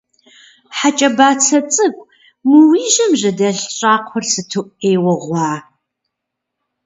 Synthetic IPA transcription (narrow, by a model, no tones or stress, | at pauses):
ħat͡ʃʼɐbaːt͡sʰɐt͡sʼɨkʷʼ | muwiːʒɐmʑɐdɐɬɕʼaːqʷʰɔrsɨtʰɨʔʷʼeːwɐʁʷɑː